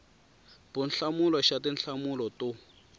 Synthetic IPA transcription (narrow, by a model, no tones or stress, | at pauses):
b̥ʊnɬamulɔʃatinɬamulɔtʊ